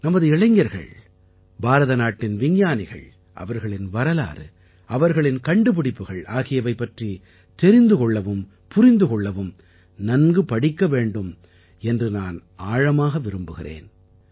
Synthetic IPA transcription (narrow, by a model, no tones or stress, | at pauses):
nɐmɐðɯɛɭɐɪŋːɐɾɣɐ̰ɭ | baːɾɐðɐnaːʈːɪnʋɪɲjaːnɪɣɐ̰ɭ | ʔɐ̰ʋɐɾɣɐɭɪnʋɐɾɐla̰ːɾɯ̰ | ʔɐʋɐɾɣɐɭɪnkɐɳɖɯp̬ɪɽɪpːɯɣɐɭʔaːɣɪjɐʋɐɪpːɐʈri | t̪ɛɾɪnd̪ɯkɔɭːɐʋɯm | pʊɾɪnd̪ɯkɔɭːɐʋɯm | nɐnɡɯpɐɽɪkːɐʋeːɳɖɯm | ɛndrɯnaːnaːɻɐmaːɣɐʋɪɾɯmbɯɣɪrḛːn